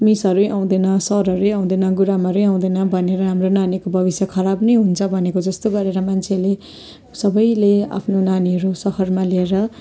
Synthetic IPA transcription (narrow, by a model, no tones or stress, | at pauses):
misʌɾujʔaw̃d̪ʌnʌsʌɾɦʌɾujaw̃d̪ʌnʌɡuɾamʌɾujaw̃d̪ʌnʌbʱʌneɾʌɦamronanikobʱʌbisjakʰʌɾabnʌjɦunt͡sʰʌbʱʌnekod͡zʌst̪oɡʌɾeɾʌmant͡sʰele | sʌbʌjlea̰pʰnonaniɦʌɾusʌhʌrmalieɾʌ